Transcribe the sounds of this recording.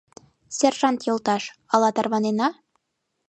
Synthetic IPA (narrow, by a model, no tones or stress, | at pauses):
sʲerʒɑnt̪jŏlˠt̪ɑʃɑlˠɑt̪ɑɾvɑninɑ